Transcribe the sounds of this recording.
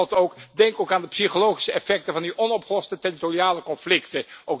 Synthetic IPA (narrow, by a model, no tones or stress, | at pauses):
lˠtowkdɛŋkowkaːndəpsiχolowχi̥səɛfɛk̚təvɑndiʔɔnɔpχəlɔstətɛritoriaːləkɔnflɪktəʔowk